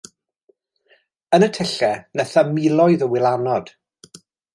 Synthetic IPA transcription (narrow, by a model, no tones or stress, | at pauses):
ənətʰɛɬɛnɛθamɪlˠɔjðəwɪlˠanɔd̥